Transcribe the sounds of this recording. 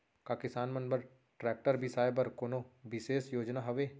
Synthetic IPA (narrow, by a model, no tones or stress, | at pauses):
kakɪsaːnmɐ̃nbəɾ | ʈɾɛːk̚ʈəɾbʱisaːjbɐɾkoːnobɪseːsjoːd͡ʒnaɦɐʋeː